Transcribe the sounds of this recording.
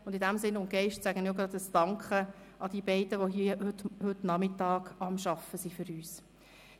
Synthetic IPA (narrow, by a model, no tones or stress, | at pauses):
ʊnd̥ɪdæmsɪnʊnɡ̥ɛɪʃtsæɡ̥ənioɡɾɑd̪əstɑŋkχə | ɑd̥̪iːəbɛɪd̥əʋoɦiəhʏthɵtnɑmɪtɑːɡ̥ɑmʃɑfəsifʏɾyːs